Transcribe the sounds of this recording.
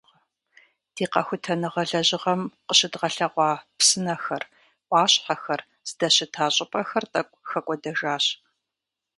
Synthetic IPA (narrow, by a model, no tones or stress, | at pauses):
ɐ | d̥iːqɐ̰xʷʊtʰɐnɨʁɐɮɐʑɪʁɐmqəɕɪdʁɐɬɐʁʷɑːpsɨnɐxɐr | ʔʷɑːɕʼħaxɐr | z̥ɨdɐɕɪtʰaːɕʼɪpʼɐxɐrtʼɐkʷʼxɐkʷʼɔdɐʒaːɕ